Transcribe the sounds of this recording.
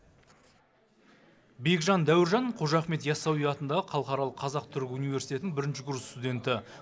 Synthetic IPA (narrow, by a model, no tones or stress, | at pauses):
be̞ɡʒɑnd̪æwɪɾʒɑɴqʰo̞ʒɑχme̞t̪jɑsɑwijɑt̪ənd̪ɑʁəqʰɑlˠəqɑɾɑlˠəqʰːɑzɑq̚t̪ʰʏɾkʲɪunijve̞ɾsit̪e̞t̪ɪŋbɪɾɪnʃɪɡɾust̪ud̪ʲe̞nt̪ɪ